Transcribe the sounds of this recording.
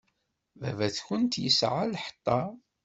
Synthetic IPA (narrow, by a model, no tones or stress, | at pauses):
væ̰væθçʊnt̪jəsʕalħə̥t̪ˤːɑ